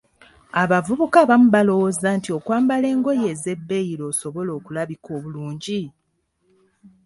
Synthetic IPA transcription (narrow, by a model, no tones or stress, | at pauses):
aβavuβukaβamuβalo̞wozantio̞kwaːmbale̞ːŋɡo̞je̞ːze̞bːe̞jiɾo̞ːso̞βo̞lo̞ːkulaβiko̞ːβuluːɲɟi